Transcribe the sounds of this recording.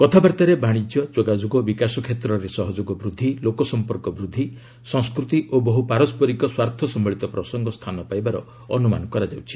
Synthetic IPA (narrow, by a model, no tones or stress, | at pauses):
kɔt̪ʰabaɾt̪aɾebaɽ̃id͡ʒjɔd͡ʒoɡad͡ʒoɡɔbikasɔkʰet̪ɾɔɾesɔɦɔd͡ʒoɡɔbɾud̪ʱːilokɔsɔmpɔɾkɔbɾud̪ʱːi | sɔ̃ŋskɾut̪iʔobɔɦupaɾɔspɔɾikɔswaɾt̪ʰɔsɔmbɔɭit̪ɔpɾɔsɔŋɡɔst̪ʰanɔpajbaɾɔ̰ | ɔnuma̰nɔkɔɾad͡ʒawt͡ʃʰi̥